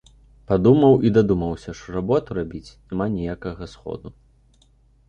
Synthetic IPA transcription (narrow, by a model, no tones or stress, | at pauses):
pad̪umɐwid̪ad̪umɐwsʲɐʂt̪ɔrabɔt̪uɾabʲit͡sʲnʲɛmanʲɛjakɐɣɐsxɔ̰d̪u